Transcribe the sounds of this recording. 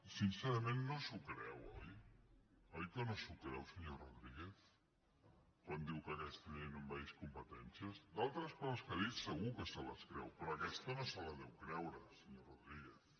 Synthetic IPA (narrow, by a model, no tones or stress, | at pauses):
sinseɾəmenːosukɾɛ̰wɔj | ɔjkənosukɾɛwsəɲoroðɾiɣeθ | kwand̪iwkəkɛst̪ənenumbajskumpət̪ɛnsiəzd̪alˠt̪ɾəskɔzəskəðisəɣukəsələ̰skɾɛ̰wpɾɔɐkɛst̪ənosələðɛwkɾɛwɾəsəɲoroðɾiɣeθ